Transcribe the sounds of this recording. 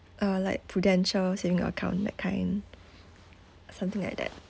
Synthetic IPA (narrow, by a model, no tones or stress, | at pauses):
ʔalaɪk̚pʰɹudɛ̃nʃəlsevĩŋə̰əkʰãʊ̃ndɛ̰t̚kʰãɪ̃n | sãmt̪ɪ̃ŋla̰jk̚dɛ̰t̚